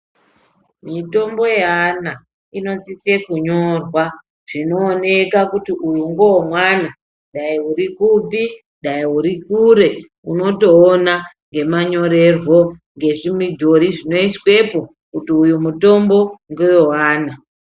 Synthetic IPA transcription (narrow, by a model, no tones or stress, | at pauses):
mito̞mbo̞jeana | ino̞t͡sisekuɲo̞rwa | ʐ̥ino̞ːne̞kakutiʔujuŋɡoomwana | ɗaiuɾikupi | ɗaiuɾikuɾe̞ | uno̞to̞ːnaŋɡe̞maɲo̞ɾe̞rwo̞ŋɡe̞ʐimidʱo̞ɾiʐino̞iswe̞po̞ | kutiujumuto̞mbo̞ŋɡojowaːna